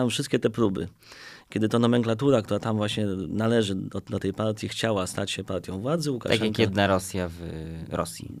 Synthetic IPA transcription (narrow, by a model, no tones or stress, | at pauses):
amfʂɘst̪kʲɛt̪ɛpɾubɘ̰ | kʲjɛd̪ɘt̪ɔnɔmɛŋklat̪uɾak̚t̪uɾat̪amvwaɕɲɛnalɛʐɘɔd̪ɔt̪ɛjpaɾt̪ʲjixt͡ɕawast̪at͡ɕɕɛpaɾt̪ʲjɔ̃w̃vwad̪zɘuka̰akjakjɛd̪naɾɔsʲjavɾɔ̰sʲjḭ